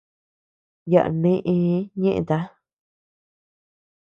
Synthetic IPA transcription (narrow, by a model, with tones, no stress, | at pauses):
ja̰˨ʔnĩ˦ʔĩ˧˦ɲẽ˦ʔḛ̃˧t̪a˦